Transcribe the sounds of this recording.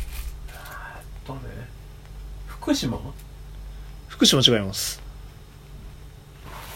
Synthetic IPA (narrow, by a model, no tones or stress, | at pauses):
t̪ːonḛ | ɸɯ̥kɯ̟ɕimo̰ | ɸɯ̥kɯ̟ɕimot͡ɕiɡaimasɨ̥